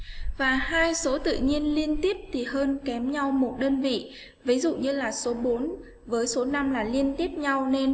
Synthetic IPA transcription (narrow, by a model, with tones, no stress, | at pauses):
vaː˨˩haː˧jso˨˦t̪ɨ̰˧˨ɲi˧ənli˧ənt̪i˦˥əp̚t̪ʰi˨˩həː˧nkɛ˨˦mɲa˧wmo˨˩t̚ɗəː˧nvḭ˧˨ | vi˨˦zṵ˧˨ɲɨ˧laː˨˩so˨˦ɓo˨˦n | vəː˨˦jso˨˦na˧mlaː˨˩li˧ənt̪i˦˥əp̚ɲa˧wne˧n